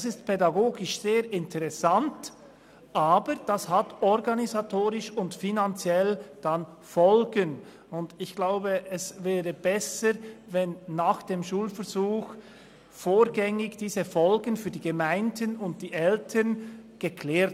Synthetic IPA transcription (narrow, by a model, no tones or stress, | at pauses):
d̥sɪstpʰɛdaɡoːɡɪʃz̥eːɾɪntʰəʁɛsant | ʔaːbəɾd̥ashatɔʁɡanizatʰoːɾɪʃʊntfinant͡sjɛld̥an | fɔlɡən | ʊndɪçɡ̥laʊbəʔɛsvɛːʁəbɛsəʁvɛnːaːχd̥eːmʃuːlfɛʁzuːx | foːɾɡɛŋɪɡd̥iːzəfɔlɡənfyːɐdiːɡəmaɪndənʊnt̚d̥iːʔɛltʰənɡ̥əkʰlɛːɾt